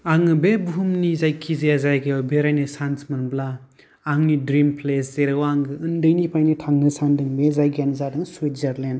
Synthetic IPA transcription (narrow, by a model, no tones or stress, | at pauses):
aŋɯbebuɦumnizajkʰizejazajɡejɔbeɾajnɯsansmɯnblaː | ŋnidɾimpʰleszeɾɯwaŋɯːndɯjnipʰajnitʰaŋnɯsandɯŋbezajɡanzadɯŋsuwizaɾlen